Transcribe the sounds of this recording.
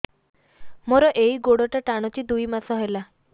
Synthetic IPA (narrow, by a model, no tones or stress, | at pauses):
moɾɔʔeiɡoɽɔʈaʈaɽ̃ɔt͡ʃid̪ujmasɔɦela